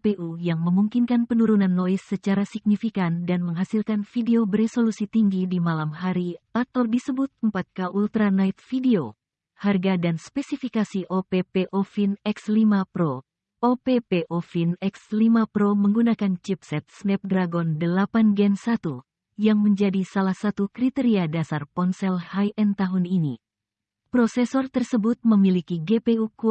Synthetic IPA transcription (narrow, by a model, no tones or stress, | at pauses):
peʔujaŋməmuŋkinkanpənuɾunanːoisːət͡ʃaɾasik̚nifikandanməŋɦasilkanfideobərɾesolusit̪iŋɡidimalamɦaɾiat̪awdisəbut̪̚əmpat̪̚kaʔult̪ɾanait̪̚fideo | harɡadanspɛsifikasiʔopepeʔofinɛkslimapɾo | opepeʔofinɛkslimapɾoməŋɡunakant͡ʃip̚sɛt̪̚snɛp̚dɾaɡɔndəlapanɡɛnsat̪u | jaŋməɲd͡ʒadisalahsat̪ukɾit̪eɾiadasarpɔnsɛlhajʔɛnt̪aɦunini | pɾɔsɛsɔrt̪ərsəbut̪̚məmilikiɡepeuku